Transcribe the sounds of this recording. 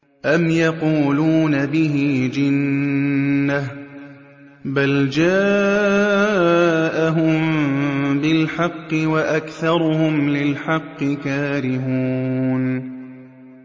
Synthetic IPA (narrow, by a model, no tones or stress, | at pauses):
ʔamjɑquːluːnabɪɦɪd͡ʒɪnː | ah | bald͡ʒaː | ʔaɦʊm | bɪlħɑqːɨwaʔakθɑɾˤʊhʊmlɪlħɑqːɨkaːɾɪhuːn